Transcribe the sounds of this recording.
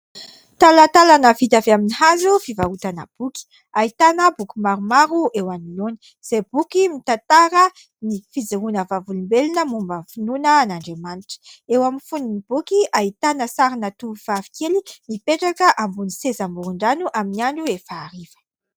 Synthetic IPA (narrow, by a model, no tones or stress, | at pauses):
t̪alət̪alanəfit̪aveaminihazufivaɾut̪anə̰b̥uki̥ | ait̪anəbukʲumaɾumaɾuʔewanilon | z̥eb̥ukimit̪at̪aɾə | nifid͡ziɾunəvavulumbelinəmumbənfinunəːnaɳɖ͡ʐemaniʈ͡ʂə̥ewaminfuninib̥ukiʔaɦit̪anəsaɾinat̪uv̥avi̥kelimipeʈ͡ʂakəʔambunisezambuɾuɳɖ͡ʐanuʔaminiaɳɖ͡ʐuefaːɾifə̥